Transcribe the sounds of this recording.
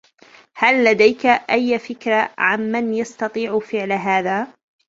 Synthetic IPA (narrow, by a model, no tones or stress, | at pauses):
halːad̪ajkaʔajːfɪkɾˤaʕamːanjɑst̪ɑt̪ˤiːʕfɪʕlaɦaːðaː